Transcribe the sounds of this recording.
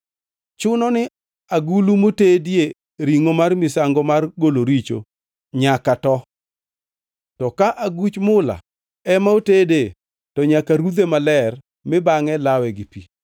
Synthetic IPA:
t͡ʃʊnɔnɪ | aɡulumotedje | ɾiŋomarmɪsaŋɡɔmarɡoloɾit͡ʃo̰ | ɲakatɔ | tɔkaʔaɡut͡ʃmʊla̰ | ɛmaotede | tɔɲakaɾud̪emalɛr | mɪbaŋɛlawɛɡɪpi

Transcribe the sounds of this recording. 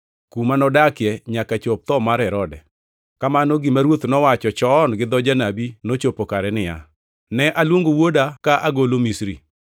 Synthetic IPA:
kumanɔdakɪɛɲakat͡ʃop̚t̪ɔmaɾɛɾɔdɛ | kamanɔɡɪmaɾwot̪nɔwat͡ʃɔt͡ʃɔnɡɪd̪ɔd͡ʒanabinot͡ʃopokaɾɛnɪja̰ | nɛʔalwoŋɡowodakaʔaɡolomisɾi

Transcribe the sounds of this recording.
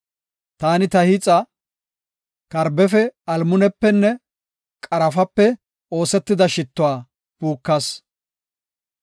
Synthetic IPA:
t̪aːnɪt̪ɐhɪt͡sʼɐ | kɐɾbɛfɛɐlmʊnɛpːɛnːɛ | kʼɐɾɐfɐpːɛ | o̞ːsɛt̪ːɪd̪ɐʃɪt̪ːʊwaː | puːkːɐs

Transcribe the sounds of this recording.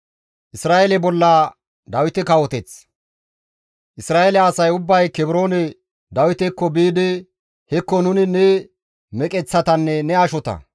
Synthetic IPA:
ʔɪsɾaːelɛbɔlːa | d̪ɐwɪt̪ɛkɐwɔt̪ɛt͡s | ʔɪsɾaːelɛɐsɐjʊbːɐjkɛbɪɾo̞ːnɛ | d̪ɐwɪt̪ɛkːɔbiːd̪ɪ | hɛkːɔnʊnɪnɛ | mɛkʼɛt͡sːɐt̪ɐnːɛnɛɐʃɔt̪ɐ̰

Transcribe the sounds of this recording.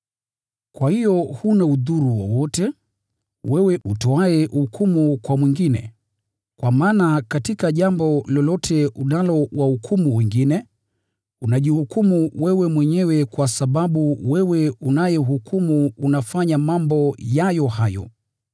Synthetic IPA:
kwahijɔhunauðuɾuwɔ̰wɔtɛ | wɛwɛʔutɔaɛhukʰumukwamwiŋɡinɛ̰ | kwamaːnakatikaʄambɔlɔlɔtʰɛunalɔwahukʰumuwɛŋɡinɛ | unaʄihukumuwɛwɛmwɛɲɛwɛkwasaɓaɓuwɛwɛunajɛuhukumuːnafaɲamambɔjajɔhajɔ̰

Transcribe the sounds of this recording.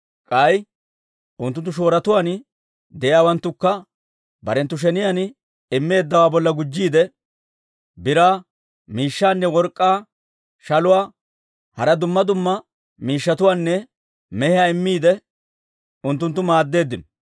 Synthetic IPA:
kʼɐj | ʔʊnt̪ːʊnt̪ːʊʃ̬o̞ːɾɐt̪ʊwaːn | d̪ɛʔjaːwɐnt̪ːʊkːɐ | bɐɾɛnt̪ːʊʃ̬ɛnɪjan | ɪmːe̞ːd̪ːɐwaːbɔlːɐɡʊd͡ʒːiːd̪ɛ | bɪɾaː | miːʃːaːnːɛwɔɾkʼːaː | ʃɐlʊwaː | hɐɾɐd̪ʊmːɐd̪ʊmːɐ | miːʃːɐt̪ʊwaːnːɛ | mɛhɪjaɪmːiːd̪ɛ | ʊnt̪ːʊnt̪ːʊmaːd̪ːe̞ːd̪ːɪn

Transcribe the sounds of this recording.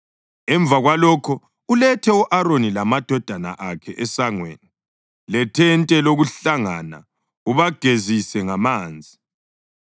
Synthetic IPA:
ɛɱb̪vʱaɣwalɔkʰɔ | ulɛtʰɛuʔaɾonilamad̥ʱɔd̥ʱana̰ʔakʰɛʔɛsaŋweːni | lɛtʰɛntʼɛloɣuɬaŋana̰ | uβaɡ̥ʱezisɛŋamaːnd͡zʱi

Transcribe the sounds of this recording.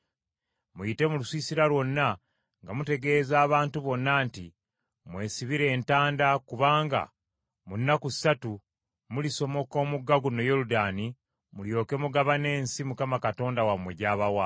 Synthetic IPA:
mujite̞mulusiːsiɾalwo̞nːa | ŋɡamute̞ɡe̞ːzaːβaːntuβo̞nːaːnti | mwe̞ːsiβiɾe̞ːntaːndakuβaːŋɡa̰ | munːakusatu | muliso̞mo̞ko̞ːmuɡːaɡuno̞jo̞ɾudaːni | muljo̞ːke̞muɡaβane̞ːnsimukamakato̞ːndawamwe̞ɟaːβawa

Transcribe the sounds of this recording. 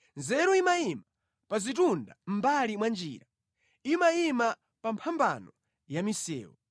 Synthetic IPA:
nzɛɾɔimaima | pazit̬undam̩balimwand͡ʒḭːɾa | imaima | pampʰamba̰nɔ | jamisɛ̰ːwɔ

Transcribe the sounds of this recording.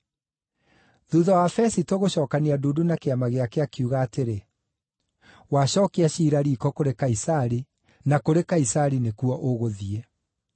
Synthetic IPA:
ðuðawafɛsitoɣoɕɔːkaneaduːdunakeamaɣeakeakuɣaːteɾe | waɕɔːkeaɕiːɾaɾiːkɔkoɾekaisaɾi | nakoɾekaisaɾinekuɔʔoɣoðiɛ

